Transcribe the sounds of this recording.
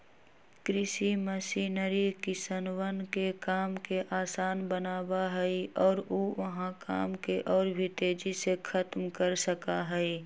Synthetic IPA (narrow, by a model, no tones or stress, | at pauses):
kɾɪʃiməsiːnəɾikɪsənwənkekaːmkeʔaːsaːnbənaːbaɦɛiɔːɾoːʋɐɦãka̰ːmkeʔɔːɾbʱit̪eːd͡ʒisekʰət̪mkəɾsəkaɦɛi